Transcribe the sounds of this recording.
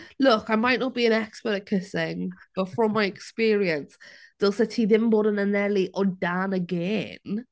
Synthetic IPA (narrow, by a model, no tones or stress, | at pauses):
lʊkaɪmaɪʔnəʔ̚b̥iə̃nɛkspətəkʰɪsɪ̃ŋb̥ətfɹə̃mːaɪɛkspiːɹiə̃nsð̥ɪlˠsətʰiðɪ̃mbɔdə̃nənɛliʔədanəɡɛn